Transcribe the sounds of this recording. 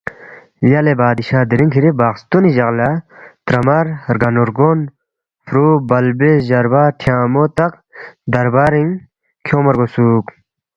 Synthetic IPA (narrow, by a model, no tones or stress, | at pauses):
lɐlebaːd̪iɕaːd̪iɾiŋkʰiɾibaːkst̪uniʑɐɣlat̪ɾɐmɐɾɾɡɐnoɾɡon | fɾuːbɐlbesʑɐɾbaːʈʰjaːmot̪ɐq | d̪ɐɾbaːɾiŋ | kʰjoːmɐɾɡosuːk